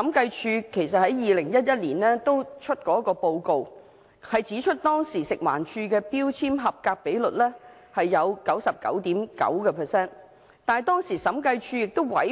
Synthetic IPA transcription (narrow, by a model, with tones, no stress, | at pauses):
ɐ˨˥mkɐ˧jt͡ʃʰyː˧kʰe˨˩jsɐ˨t̚hɐ˨˥jjiː˨˧lɪ˨˩ŋjɐ˥t̚jɐ˥t̚liː˨˩nlɛː˥t̪o˥wt͡ʃʰɵ˥t̚kɔː˨˥kɔː˧po˧wko˨w | hɐ˨jt͡siː˨˥t͡ʃʰɵ˥t̚t̪ɔː˥ŋsiː˨˩sɪ˨k̚wa̰ː˨˩nt͡ʃʰyː˧kɛː˧piː˥wt͡sʰiː˥mɦɐ˨p̚kaː˧k̚pe˨˥jlɵ˨t̚lɛː˥ | hɐ˨jːɐ˨˧wkɐ˨˥wsɐ˨p̚kɐ̰˨˥wt̪iː˨˥mkɐ̰˨˥wkɛː˧pʰɛ˨˩sɛː˥n | t̪aː˨n˨jt̪ɔː˥ŋsiː˨˩sɐ˨˥mkɐ˧jt͡ʃʰyː˧jɪ˨k̚t̪o˥wwɐ̰˨˥j